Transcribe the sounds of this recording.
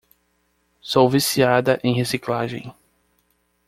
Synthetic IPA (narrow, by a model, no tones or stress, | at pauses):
sowvisiad̪ɐʔẽj̃hesiklaʒḛ̃j̃